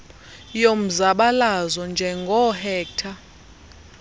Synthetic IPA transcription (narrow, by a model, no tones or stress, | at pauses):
jom̩zaɓalazɔnd͡ʒʱɛŋɡʱɔhɛːk̚tʰa